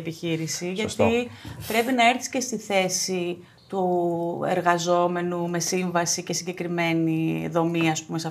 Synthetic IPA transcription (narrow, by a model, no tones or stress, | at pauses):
piçiɾisiʝɐt̪ipɾe̞pinɐe̞ɾθisce̞st̪iθe̞si | t̪uḛɾɣɐzo̞me̞nume̞siɱvɐsice̞siɲɟe̞kɾime̞niðo̞miɐspume̞sɐ